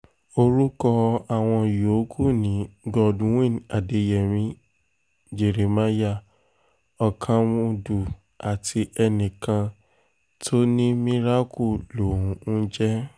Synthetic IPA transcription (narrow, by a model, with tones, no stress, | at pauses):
o˧ɾu˦kɔ˧a˨w̃ɔ̃˧jo˨˦kʰu˦˨nĩ˨˦ɡɔ˧˨dũ˨˦wĩ˦˨a˨de˨˦jɛ˨mĩ˦ | d͡ʒe˨ɾe˨ma˦ja˦˨ | ɔ˨kʰã˧mũ˧du˨ | a˨tʰi˧ɛ˧nĩ˨kã˧ | tʰo˦nĩ˦mĩ˦ɾa˦kʰu˦˨lo˨ũ˨˦u˦d͡ʒɛ˦